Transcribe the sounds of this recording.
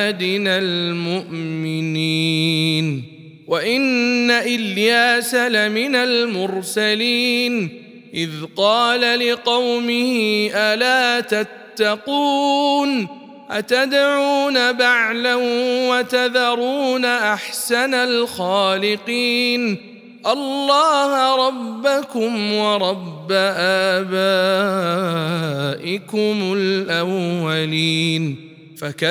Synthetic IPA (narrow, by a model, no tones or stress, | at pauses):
d̪ɪnalmʊʔmɪniːn | waʔɪnːaʔɪljaːsalamɪnalmʊɾsaliːn | ʔɪðqɑːlalɪqɑwmɪhɪʔalaːt̪at̪ːɑquːn | ʔat̪ad̪ʕuːnabaʕlahwat̪aðɑɾˤuːnaʔaħsanalxaːlɪqiːn | ʔɑlːɑːhɾˤɑbːakʊmwɑɾˤɑbːaʔaːbaː | ʔɪkʊmʊlʔawːaliːn | faka